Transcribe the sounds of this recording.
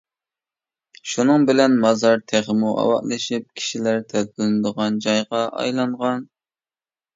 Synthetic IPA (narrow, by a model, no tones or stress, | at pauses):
ʃunɨŋbɪlɛnmɑzɑɾt̪ʰæʁɪmuʔɑ̰wɑ̰ʔlˠɨʃip̚kʲʰi̥ʃilæɾt̪ʰɛkɪlɪnɪd̪əʁɑnd͡ʒɑjʁɑʔɑ̰jlˠɑɴʁɑn